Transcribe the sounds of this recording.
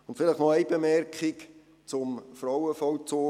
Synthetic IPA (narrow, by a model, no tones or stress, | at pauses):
ʊntfɪlɪχnɔæjbemɛrkχɪk | t͡sʊmfrɔwəfɔwt͡soː